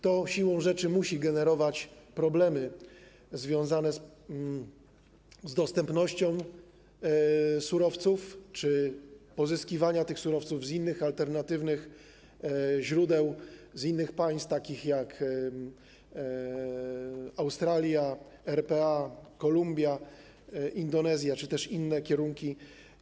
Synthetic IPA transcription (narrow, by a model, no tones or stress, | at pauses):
t̪ɔɕiwɔ̃w̃ʐɛt͡ʂɘmuɕiɡɛnɛɾɔvat͡ɕpɾɔblɛmɘ | zvʲjɔ̃w̃zanɛs | zd̪ɔst̪ɛmpnɔɕt͡ɕɔ̃w̃ | suɾɔft̪suft͡ʂɘpɔzɘskʲivaɲat̪ɘxsuɾɔft̪suvzinːɘxalt̪ɛɾnat̪ɘvnɘx | ʑɾud̪ɛwzinːɘxpaj̃st̪t̪akʲixjak | awst̪ɾalʲjaɛɾpɛakɔlumbʲja | ʔind̪ɔnɛzʲjat͡ʂɘt̪ɛʂinːɛkʲɛɾuŋkʲi